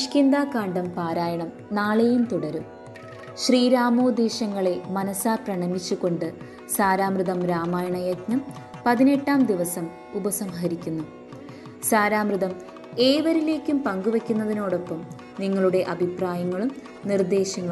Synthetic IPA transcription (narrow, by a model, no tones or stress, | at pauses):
ʂkʲind̪aːkaːɳɖɐmpaːɾaːjɐɳɐm | naːɭejumt̪uɽɐɾu | ɕriːɾaːmoːd̪eːɕɐŋːɐɭe̞mɐnɐsaːprɐɳɐmit͡ɕːuɣo̞ɳɖɨ | saːɾaːmrɨðɐmɾaːmaːjɐɳɐjɐɡnɐm | pɐðine̞ʈːaːmd̪iʋɐsɐm | ubɐsɐmɦɐɾikʲːunːu | saːɾaːmrɨðɐm | e̞ːʋɐɾile̞ːkʲːumpɐŋɡuʋɐkʲːunːɐðino̞ːɽo̞pːɐm | niŋːɐɭuɽe̞ʔɐbʱipraːjɐŋːɐɭum | nird̪e̞ːɕɐŋːɐ